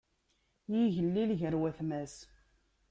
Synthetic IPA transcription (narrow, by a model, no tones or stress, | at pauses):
jiʝəlːilʝəɾwæθmæs